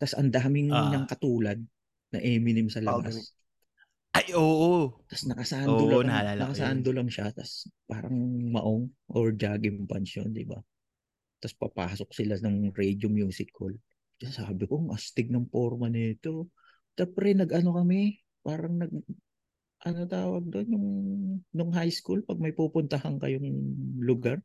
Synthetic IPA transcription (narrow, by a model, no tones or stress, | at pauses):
t̪ɐsʔɐ̰nd̪aːmɪŋɲɐŋkɐt̪uːlɐd̪̚ | nɐ̰ʔɛmɪnɪmsɐlɐɡa | ʔajʔoːʔot̪ɐsnɐkɐsaːnolɐaalnɐkɐsaːnd̪olɐŋʃat̪ɐ̰spa̰ːɾɐ̰ŋmɐ̰ʔoŋʔoɹd͡ʒaːɡɪmpɐnʃo̰nd̪ɪ̰ba̰ | t̪ɐspɐ̰paːsok̚sɪlanɐŋɾɛjd͡ʒʊŋjʊŋsɪkʰːo̰l | t͡ʃɐsaːbɪkoŋʔɐst̪ɪɡ̚nɐŋpoɾmɐnɪt̪o | t͡ʃɛmpɾɛnɐɡʔɐno̞kɐmɛ | paːɾɐŋnɐɡ̚ | ʔɐnot̪aːwɐɡ̚d̪onjʊŋnʊŋɦajskulpɐɡ̚mɐjpupʊnt̪ɐhɐŋkɐ̰jʊŋlʊɡaɾ